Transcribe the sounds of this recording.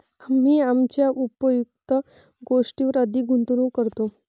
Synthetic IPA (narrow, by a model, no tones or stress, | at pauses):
am̤iːamt͡ɕjaʔupəjuk̚t̪ə | ɡoʂʈiːʋəɾəd̪ʱiːɡʱunt̪uɾũːkəɾt̪o